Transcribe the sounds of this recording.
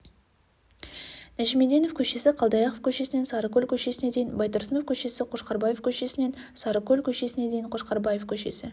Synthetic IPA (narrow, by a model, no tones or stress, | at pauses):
næʒime̞d̪enofkʲʰɵʃe̞sɪqʰɑlˠd̪ɑjɑqofkʲʰɵʃe̞sɪne̞nsɑɾəkʲʰɵlʲkʲʰɵʃe̞sɪne̞d̪e̞jɪnbɑjt̪ʊɾsənofkʲʰɵʃe̞sɪqʰoʃqɑɾbɑjefkʲʰɵʃe̞sɪne̞n | sɑɾəkʲːɵlʲkʲʰɵʃe̞sɪne̞d̪e̞jɪɴqʰo̞ʃqɑɾbɑjefkʲʰɵʃe̞̰sɪ